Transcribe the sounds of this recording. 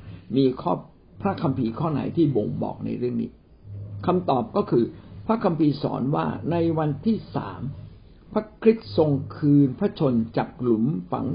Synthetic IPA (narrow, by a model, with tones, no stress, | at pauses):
miː˧kʰɔː˥˩ | pʰɾa˦˥kʰa˧mpʰiː˧kʰɔː˥˩na̰˨˩˦jt̪ʰiː˥˩bo˧ŋbɔ̰ː˨˩k̚na̰˧jɾɯ˥˩əŋnḭː˦˥ | kʰa˧mt̪ɔː˨˩p̚kɔː˥˩kʰɯː˧pʰɾa˦˥kʰa˧mpʰiː˧sɔ̰ː˩˦nwaː˥˩na˧jwa˧nt̪ʰiː˥˩sa̰ː˩˦m | pʰɾa˦˥kʰɾi˦˥t̪̚so˧ŋkʰɯː˧npʰɾa˦˥t͡ɕʰo˧nt͡ɕa̰ː˨˩k̚lu˩˦mfa̰˨˩˦ŋ